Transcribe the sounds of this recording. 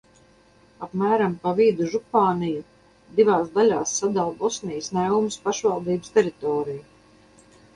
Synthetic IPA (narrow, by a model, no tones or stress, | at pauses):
apmæːɾampaviːd̪uʒupaːniju | d̪ivaːsd̪alʲaːsːad̪alˠbɔsnijsnɛwmspaʃvalˠd̪iːbɨst̪ɛɾit̪ɔːɾiju